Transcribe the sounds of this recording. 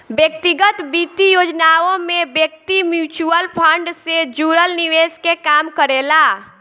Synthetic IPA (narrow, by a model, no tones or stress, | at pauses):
bjək̚t̪iɡət̪bit̪ijod͡ʒnaõmebjək̚t̪imjut͡ʃuəlpʰəɳɖsed͡ʒuɾəlniʋeskekamkəɾela